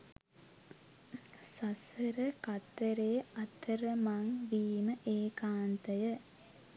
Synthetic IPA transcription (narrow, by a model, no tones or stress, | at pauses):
sasəɾəkɐt̪ːəɾeːɐt̪ːəɾəmaŋʋiːməʔeːkaːnt̪əjə